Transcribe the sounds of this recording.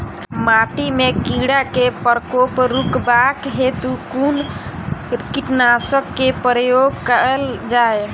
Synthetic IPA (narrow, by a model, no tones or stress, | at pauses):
maʈimekiɽakepəɾkopɾukbakɦet̪ukun | kiʈnasəkːepɾəjoɡ̚kəəld͡ʒae